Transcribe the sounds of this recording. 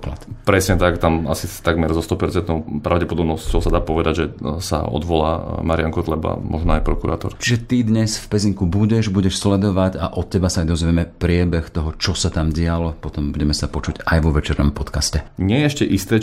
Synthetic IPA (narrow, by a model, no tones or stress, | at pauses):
kla̰t̪pɾɛsɲɛt̪akt̪amasit̪aɡmɛɾzɔst̪ɔpɛɾt͡sɛnt̪nɔɔpɾaʊɟɛpɔd̪ɔbnɔst͡ɕɔsad̪aːpɔʋɛd̪aɟʒɛsa̰ɔ̰d̪ʋɔla̰ːmaɾɪaŋkɔt̪lɛba̰mɔ̰ʒnɔajpɾɔkuɾa̰ːt̪ɔ̰ɾt͡ʃiʒɛt̪id̪ɲɛsfpɛziŋkubuɟɛʒbuɟɛʃslɛd̪ɔʋaɟaʔɔt̪̚cɛbasaːjd̪ɔzʋɛmɛpɾɪɛbɛxt̪ɔɦɔt͡ʃɔsat̪amɟɪalɔpɔt̪ɔmbuɟɛmɛsapɔt͡ʃuɟajʋɔʋɛt͡ʃɛɾnɔmpɔt̪kascɛɲɪɛjɛɛʃcɛʔist̪ɛː